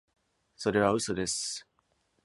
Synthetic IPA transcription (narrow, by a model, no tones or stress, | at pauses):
sod̪e̞βaɯ̟sod̪e̞s